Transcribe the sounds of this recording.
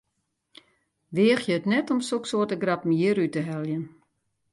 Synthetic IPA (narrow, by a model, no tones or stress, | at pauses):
ʋeːəxjəətnɛtɔmsoksoːrtəɡrapmjiɾytəɦɛlˠjən